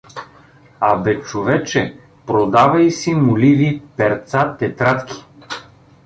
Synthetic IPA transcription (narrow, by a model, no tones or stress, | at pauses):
abɛt͡ʃovɛt͡ʃɛ | pɾod̪avɐisimʊlivipɛɾt̪sat̪ɛt̪ɾat̪kʰʲi̥